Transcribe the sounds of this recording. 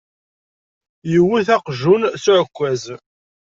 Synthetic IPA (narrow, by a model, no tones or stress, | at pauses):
jəwːiθæqʒunsʊʕəkʷːæz